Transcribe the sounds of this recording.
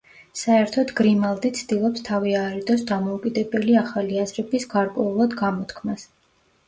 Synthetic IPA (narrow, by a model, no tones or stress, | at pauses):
saɛɾt̪ʰɔd̪ɡɾimalˠd̪it̪sʰd̪ilˠɔpst̪ʰaviaɾɛd̪ɔs̬d̪amɔukʼid̪ɛbɛliaχaliazɾɛbisɡaɾkʼwɛulˠad̪ɡamɔt̪ʰkʰmas